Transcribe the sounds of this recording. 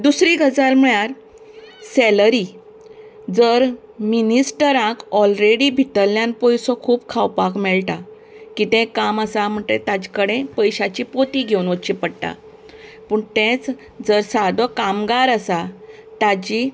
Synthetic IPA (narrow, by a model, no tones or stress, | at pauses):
d̪usɾiɡʱəd͡zalm̤əɭjaɾ | seləɾi | d͡zəɾ | minisʈəɾãkɔlɾeɽibʱit̪əljãnpɔjsɔkʰuːbkʰawpakmɛɭʈa | kit̪ɛ̃kaməsam̤əʈ̪et̪ad͡ʑkəɽẽpəjɕat͡ɕipot̪iɡʱewnʋət͡ɕĩpəɽʈ̪a̰ | pəɳt̪ɛ̃t͡s | d͡zəɾsad̪ɔkamɡaɾəsat̪ad͡ʑi